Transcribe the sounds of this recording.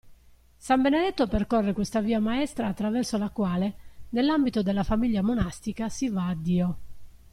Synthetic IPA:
sambened̪ɛt̪ːoperkɔrːekwest̪aviːamaɛst̪ɾaːt̪ːɾavɛrsolakwaːlenelːambit̪od̪elːafamiʎːjamonast̪ikasivaːd̪ːiːo

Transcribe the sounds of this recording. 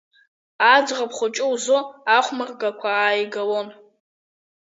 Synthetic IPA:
ad͡zʁapʰχʷʊt͡ʃʼʊwzoaχʷmɨrɡakʷʰaːjɡawon

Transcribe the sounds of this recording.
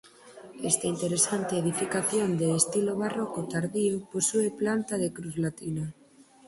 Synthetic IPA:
est̪aint̪eɾesant̪eːðifikaθjond̪eːst̪iloβarɔkot̪aɾðiuposueplant̪aðekɾuzlat̪ina

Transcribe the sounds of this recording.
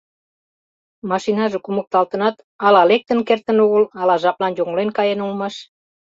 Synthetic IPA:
mɑʃinɑʒekumək̚t̪ɑlt̪ə̆nɑt̪ | ɑlɑlek̚t̪ə̆nkert̪ə̆nuɣəlɑlɑʒɑplɑnjoŋlenkɑjenulmɑʃ

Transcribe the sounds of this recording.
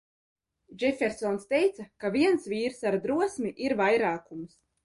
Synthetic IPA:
ʒɛfʲɛɾsɔnst̪ɛjt̪sakavʲiɛnsvʲiːɾsaɾd̪ɾuɔsmʲiʔiɾvajɾaːkums

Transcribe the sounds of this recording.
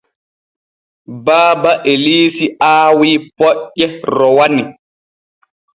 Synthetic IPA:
baːbaʔeliːsiʔaːwiːpɔʔːɛɾɔwani

